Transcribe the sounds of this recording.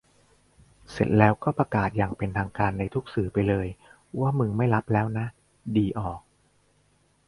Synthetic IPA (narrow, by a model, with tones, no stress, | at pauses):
se˨˩t̪̚lɛː˦˥wkɔː˥˩pɾa˧kaː˨˩t̪̚jaː˨˩ŋpe˧nt̪ʰaː˧ŋkaː˧nːa˧jt̪ʰu˦˥k̚sɯː˩pa˧jlɤː˧j | waː˥˩mɯ˧ma˥˩jla˦˥p̚lɛː˦˥wna˦˥ʔ | diː˧ʔɔː˨˩k̚